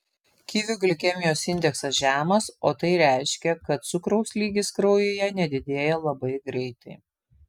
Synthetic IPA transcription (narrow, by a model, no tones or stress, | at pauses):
kʲiːʋʲʊɡlʲɪkʲɛmʲɪjoːsɪnʲd̪ʲɛksɐsʒʲæːmɐsoːt̪ɐɪɾʲæˑɪʃʲkʲɛkɐt̪̚sʊkɾɐʊsʲlʲiːɡʲɪskɾɐʊjoːjɛnʲɛd̪ʲɪd̪ʲeːjɛlˠɐbɐɪɡɾʲɛɪt̪ɐɪ